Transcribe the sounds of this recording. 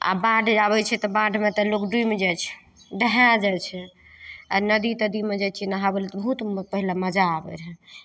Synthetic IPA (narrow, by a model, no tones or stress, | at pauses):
a̰bãɖʱabɛt͡ʃʰɛt̪ɔbãɖʱmet̪ɔlokɖuimed͡ʒajt͡ʃʰɛ̥ | ɖəɦad͡ʒajt͡ʃʰɛ | anəd̪it̪əd̪imed͡ʒat͡ʃʰɛnaɦabelɛt̪ɔbəɦut̪pəɦilaməd͡ʒaːbɛ̰ɾɦɛ